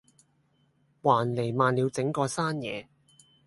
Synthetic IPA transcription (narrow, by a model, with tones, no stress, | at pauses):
waː˨˩nle˨˩jmaː˨˧nliː˨˧wt͡sɪ˨˥ŋkɔː˧saː˥njɛː˨˧